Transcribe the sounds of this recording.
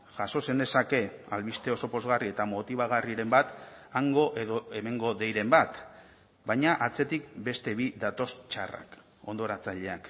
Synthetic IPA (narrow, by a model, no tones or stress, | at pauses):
ʝaso̞se̞nd̪e̞sake̞alβist̪e̞o̞so̞po̞zɣarie̞t̪amo̞t̪iβ̞aɣ̞ariɾe̞mbat̪aŋɡo̞ʔe̞ðo̞e̞me̞ŋɡo̞ðe̞jɾe̞mbat̪ | bajɲaʔat͡se̞t̪ik̚be̞st̪e̞βiðat̪o̞st͡ʃa̰ra̰k | o̞nd̪o̞ɾat͡saʎe̞ak